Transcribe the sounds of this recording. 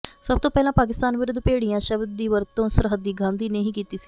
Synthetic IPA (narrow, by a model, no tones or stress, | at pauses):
səb̚t̪õːpɛːlãːpaːk̬ɪst̪aːnʋɪɾʊd̪peːɽijãːʃəbd̪̚ːiːʋəɾt̪õːsəɾɦəd̪ːiːɡãːnd̪iːneɦĩːkiːt̪iːsi̥ː